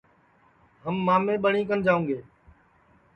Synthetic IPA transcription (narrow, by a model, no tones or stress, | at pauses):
ɦəmːaːmːẽːɓəɳ̤ĩːkənd͡ʒaːũːɡeː